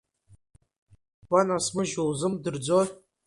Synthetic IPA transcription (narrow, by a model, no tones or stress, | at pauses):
w̥anasmɨʒowzɨmdɨrd͡zo